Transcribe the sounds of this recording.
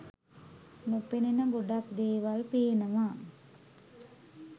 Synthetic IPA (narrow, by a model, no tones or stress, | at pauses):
nupeninəɡoɖakd̪eːʋalpeːnəʋa